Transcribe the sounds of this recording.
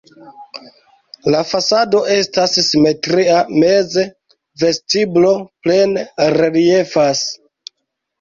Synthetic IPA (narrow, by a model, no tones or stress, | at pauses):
lafasado̞ʔe̞stassime̞tɾiame̞ze̞ | ve̞stiblo̞ple̞nɾelie̞fas